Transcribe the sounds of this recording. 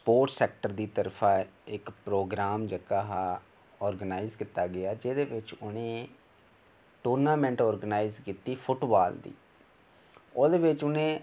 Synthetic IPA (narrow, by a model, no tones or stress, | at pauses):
spoːɾʈsɛːk̚ʈəɾd̪iːt̪əɾpʰaːɪkpɾoːɡɾaːmd͡ʒəkaːɦaː | ɔːɾɡənaːɪzkɪt̪aːɡɪaːd͡ʒeːd̪eːʋɪt͡ʃʊnẽː | ʈuːɾnaːmɛ̃ɳʈɔːɾɡnaːizkiːt̪iːpʰʊʈbaːld̪ḭː | oːd̪eːʋɪt͡ʃʊnẽː